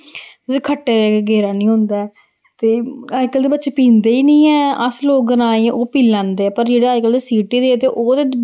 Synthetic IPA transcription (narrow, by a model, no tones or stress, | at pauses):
ʊsekʰəʈːeːɾɛːkeːɡeːɾaːnĩːɦʊ̃nd̪aːɛː | t̪eːaːikəld̪eːbətːʃeːpĩːnd̪eːiːnĩːɛːəsloːkɡənãːẽːʔoːpiːlãːnd̪eːɛːpəɾd͡ʒeːɽeːaːɪkəld̪eːsiːʈeːd̪eːt̪eːʔoːd̪eː